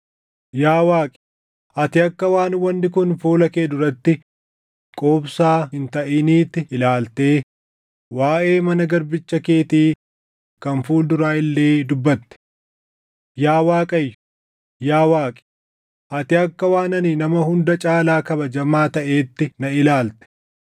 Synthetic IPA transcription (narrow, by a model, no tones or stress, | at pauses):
jaːwaːkʼɪ̥ | ʔɐt̪ɪɐkːɐwaːnwɐnːɪkʊnfuːlɐkeːd̪ʊɾɐt̪ːɪ | kʼoːbsaːhɪnt̪ɐʔɪniːt̪ːɪɪlaːlt̪e̞ː | waːʔe̞ːmɐnɐɡɐɾbɪt͡ʃːɐke̞ːt̪iː | kɐnfuːld̪ʊɾaːɪlːe̞ːd̪ʊbːɐt̪ːɛ̥ | jaːwaːkʼɐjː | jaːwaːkʼɪ̥ | ʔɐt̪ɪɐkːɐwaːnɐnɪnɐmɐɦʊnd̪ɐt͡ʃʼaːlaːkɐbɐd͡ʒɐmaːt̪ɐʔe̞ːt̪ːɪnɐɪlaːlt̪ɛ̥